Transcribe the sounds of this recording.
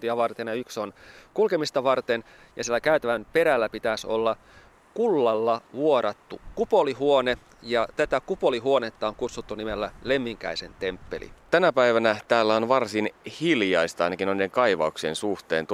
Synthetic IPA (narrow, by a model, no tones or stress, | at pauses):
t̪iɑʋɑrt̪enjɑykso̞nkulkemist̪ɑʋɑrt̪en | jɑsielːækæyt̪æʋæmpe̞ɾælːæpit̪æso̞̰lːɑ | kulːɑlːɑʋuoɾɑt̪ːukupoliɦuone | jɑt̪æt̪ækupo̞liɦuo̞net̪ːɑoŋkut̪sut̪ːunimelːæle̞mːiŋkæ̰ise̞̰nt̪e̞mpːe̞̰lʔḭt̪ænæpæiʋænæt̪æːlːæonʋɑrsinhiljɑist̪ɑɑjnɑkinoniːeŋkɑiʋɑ̰uksḛnsuht̪e̞ːnt̪